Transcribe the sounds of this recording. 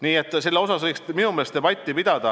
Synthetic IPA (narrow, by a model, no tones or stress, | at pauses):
niːe̞t̪ːˑselːeo̞sɑsvɤjksminumelest̪eb̥ɑt̪ʲˑːipid̪̥ɑd̪̥ɑ